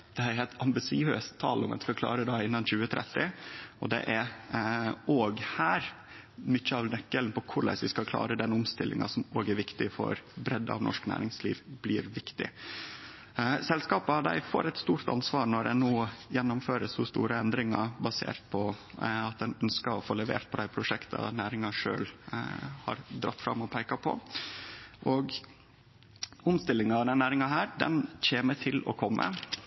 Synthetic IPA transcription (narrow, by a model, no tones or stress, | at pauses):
d̪̥ɛhɾɛt̪ɑmbɪsɪøːst̪ʰːɑːlɔmɛ̰nskɑkʰlɑ̰ːɾəd̪ɑɪnːɑnçʉːət̪ʰɾɛ̰t̪ːɪɔd̪ɛ̰ʔæɾ | ʔoːɡhæːɾ | mʏçəɑʋnɛkːələnpʰɔkʰʊɾɭæ̰ɪsʋɪskɑlkʰlɑ̰ːɾəd̪ɛnʊmst̪ɪlːɪ̰ŋɑ̰sɔmoːɡæɾʋɪkt̪ɪfɔ̰ɾbɾɛd̪ːɑ̰ʋnɔ̰ʂknæ̰ːɾɪŋslḭːʋblɪːɾʋɪkt̪ɪ̰ | sɛlskɑːpəɑd̪æ̰ɪfo̰ːɾɛt̪st̪uːɾt̪ɑ̰nsʋɑːɾnɔɖ̪ɛnoːjɛnːʊmføːɾəshʊst̪ṵːɾəɛnd̪ɾɪŋɑ̰bɑsḛːɾt̪̚pʰɔɑt̪̚d̪ɛnœnskəɾɔfoːlɛʋḛːɾt̪̚pʰɔd̪æɪpʰɾʊʂɛkt̪ʰɑ̰næːɾɪŋɑʂø̰ːl | hɑ̰ɾd̪ɾɑ̰t̪ːfɾɑ̰mːɔpʰæɪkɑpʰɔ̰ | ʔɔɡ | ʊmst̪ɪlːɪŋɑɑd̪ɛnnæːɾɪŋɑɦæːɾɖ̪ɛ̰nc͡çeːmət̪ʰɪlɔ̰kʰɔmːʔə̰